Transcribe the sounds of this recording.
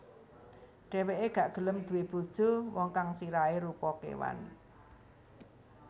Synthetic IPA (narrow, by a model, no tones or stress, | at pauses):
ɖ̥e̤weʔeɡ̥a̤ʔɡ̥ə̤ləmd̪̥ṳweb̥o̤d̥ʒ̥o̤wɔŋkaŋsiɾaeɾupɔkḛwa̰n